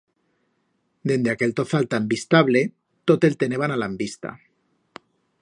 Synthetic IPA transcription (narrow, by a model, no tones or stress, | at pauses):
d̪end̪eake̞lt̪oθalt̪ambist̪aβle | t̪ot̪elt̪eneβ̞analambist̪a̰